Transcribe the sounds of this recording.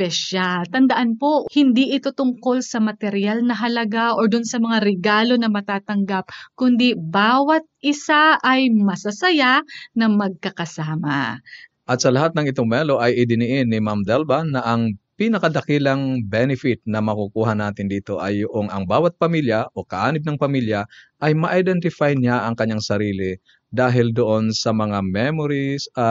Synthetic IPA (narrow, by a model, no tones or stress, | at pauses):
pɛʃalt̪ɐnd̪ɐʔanpo̞hɪnd̪iʔɪt̪o̞t̪ʊŋko̞lsɐmɐt̪ɛɾjalnɐɦɐlɐɡaʔoɹd̪ʊnsɐmɐŋaɾɛɡaːlo̞nɐmɐt̪aːt̪ɐŋɡap̚kʊnd̪ibaːwɐt̪̚ʔɪsaʔɐjmɐsɐsɐjanɐmɐɡ̚kɐkɐsaːmɐ | ʔɐt̪̚sɐlɐɦat̪nɐŋʔɪt̪oŋmɛlo̞ʔɐjʔɪd̪ɪnɪʔɪnːɪmamd̪ɛlbɐnːɐʔɐŋpinɐkɐd̪ɐkiːlɐŋbɛnɪfɪt̪̚nɐmɐkukuːɦɐnaːt̪ɪnd̪iːt̪o̞ʔɐjːʊʔoŋʔɐŋbaːwɐt̪̚pɐmiljɐʔo̞kɐʔaːnɪb̚nɐŋpɐmiljɐʔɐjmɐʔajd̪ɛnt̪ɪfajɲaʔɐŋkɐɲːaŋsɐɾiːlɪ | d̪aːɦɪld̪oʔo̞nsɐmɐŋamɛmoɾisɐ